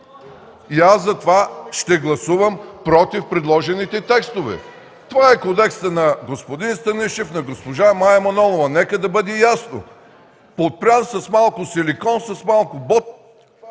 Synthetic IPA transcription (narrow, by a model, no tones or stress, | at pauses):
iazɐt̪ovaʃt̪ɛɡlˠɐsuvəmpɾɔt̪ifpɾɛd̪lˠɔʒɛnit̪ɛt̪ɛkst̪ovɛ̰ | t̪ovaɛkod̪ɛkst̪ənɐɡospod̪inst̪ɐnɛʃɛfnɐɡospoʒamajɐmɐnɔlˠovɐnɛkəd̪ɐbəd̪ɛjasno̰ | pot̪̚pɾʲansɐsmalˠkʊsɛlikɔnsɐsmalˠkʊbɔt̪̚